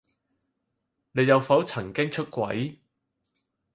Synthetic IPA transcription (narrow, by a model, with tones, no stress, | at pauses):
ne˨˧jɐ˨˧wfɐ˨˥wt͡sʰɐ˨˩ŋkɪ˥ŋt͡ʃʰɵ˥t̚kʷɐ̰˨˥j